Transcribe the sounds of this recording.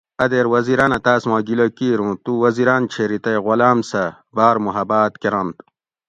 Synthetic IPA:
ɐd̪eːɾwɐziɾaːnɐt̪aːsmãːɡilokiːɾũt̪uwɐziɾaːnt͡ɕʰeɾit̪ɐjɣolaːmsɐ | baːɾmuɦɐbaːt̪keɾɐnt̪

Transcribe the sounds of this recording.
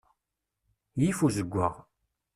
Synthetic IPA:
jifuzəɡʷːa̰ʁ

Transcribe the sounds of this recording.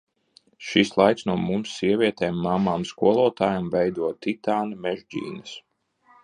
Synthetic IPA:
ʃislˠajksnuɔmumsːiɛvʲiɛt̪eːmːamːaːmskuɔlˠɔːt̪aːjamvɛjd̪uɔt̪it̪aːnmɛʒd͡ʑḭːnɨs

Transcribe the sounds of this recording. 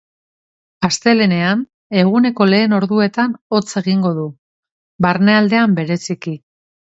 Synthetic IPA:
ast̪e̞le̞ne̞an | e̞ɣ̞une̞ko̞le̞ːno̞ɾðue̞t̪ano̞t͡se̞ɣ̞iŋɡo̞ðu | baɾne̞ald̪e̞ambe̞ɾe̞siki

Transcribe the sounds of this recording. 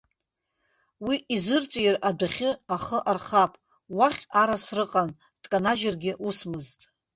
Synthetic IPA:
wiizɨrt͡sʷʼjradaχʲɪaχəʔarχapʼ | waχʲaɾasrɨqʼan | d̥ʼkʼanaʒɪrɡʲɪʔusmɨztʼ

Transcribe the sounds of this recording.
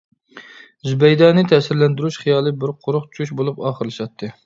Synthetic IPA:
zybɛjd̪ɑːnɪt̪ʰɛsɪɾlɛnd̪yɾuʃχijɑːlˠɨbɪɾqʰoɾʊχt͡ʃʰuʃbolˠupɑːχəɾlɨʃɑt̪ʰːɨ

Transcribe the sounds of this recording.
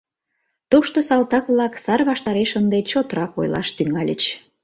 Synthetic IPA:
t̪uʃt̪osɑlt̪ɑkβlɑksɑrβɑʃt̪ɑɾeʃənd̪et͡ɕot̪ɾɑko̰jlɑ̰ʃt̪yŋɑlʲə̰t͡ɕ

